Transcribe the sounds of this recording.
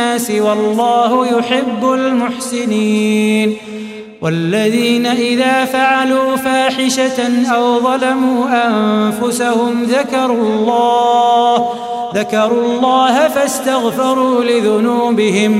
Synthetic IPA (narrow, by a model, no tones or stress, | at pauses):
aːsɪwɑlˤːɑːhʊjʊħɪbːʊlmʊħsɪniːn | walːaðiːnaʔɪðaːfaʕaluːfaːħɪʃaʔawðˤɑlamuːʔamfʊsahʊmðakɑɾˤlˤːɑːh | ðakɑɾˤuːlˤːɑːhafast̪aɣfɑɾˤuːlɪðʊnuːbɪhɪm